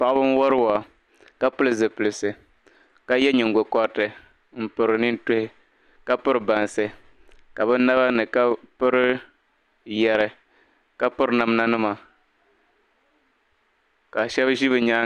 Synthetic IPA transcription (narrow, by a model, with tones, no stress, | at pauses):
pa˨ʔbɨ˦n˦wɔ˦ɾɨ˦wa˨ | ka˦pʊ˦lɨ˨zɨ˨pɨ˨lɨ˨sɨ˨ | ka˦jɛ˦ɲɪ˨ŋ˨ɡo˨kɔ˦tɨ˨ | m̩˨pʊ˨ɾɨ˨ni˦n˦tʊ˦hɪ˦ | ka˦pʊ˦ɾɨ˨ba˨n˨sɨ˨ | ka˨bɨ˦na˦ba˦nɨ˨ka˦pʊ˦ɾɨ˦ | jɛ˨ɾɨ˨ | ka˦pʊ˦ɾɨ˦na˨m˦na˦nɨ˦ma˨ | ka˨ʃɛ˦bʒi˦βɨ˨ɲa˦